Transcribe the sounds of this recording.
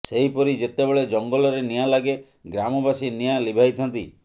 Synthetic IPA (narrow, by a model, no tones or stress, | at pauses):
seɦipɔɾid͡ʒet̪ebeɭed͡ʒɔŋɡɔlɔɾenijalaɡe | ɡɾamɔbasinijalibʱajt̪ʰɔnt̪ḭ